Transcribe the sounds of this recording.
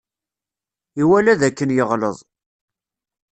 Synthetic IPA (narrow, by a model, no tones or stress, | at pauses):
iwælæðækːənjəʁləðˤ